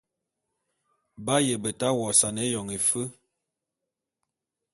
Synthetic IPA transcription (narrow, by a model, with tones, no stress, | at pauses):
ba˦jə˨bə˨ta˦wɔ˨sa˨ne˦jɔ˨ŋe˨fə˦